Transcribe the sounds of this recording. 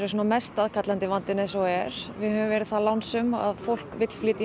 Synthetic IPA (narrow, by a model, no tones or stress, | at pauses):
ɾɪs̬ɔnamɛst̪aðkʰat̪lant̪ɪvant̪ɪnɛsowɛɾ̥vɪðhœvʏmvɛːɾɪðθalawnsʏma̰ðfowl̥kvɪt̪l̥flɪːt̪ɪ